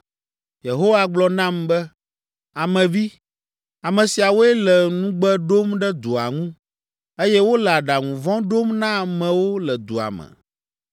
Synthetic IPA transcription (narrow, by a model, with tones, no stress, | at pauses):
je˨ɦo˦wa˨ɡ͡blɔ˨nã˦mbɛ˦ | a˨mɛ̃˨vi˦ | a˨mɛ̃˨si˨a˨wo˦ɛ˦lɛ˨nũ˦ɡ͡bɛ˦ɖo˦mɖɛ˦d̪o˨a̰˨ŋũ˦ | e˦jɛ˦wo˦lɛ˨a˨ɖa˨ŋũ˨vɔ̃˦ɖo˦mnã˦˨mɛ̃˨wo˦lɛ˨d̪o˨a̰˨mɛ̰˨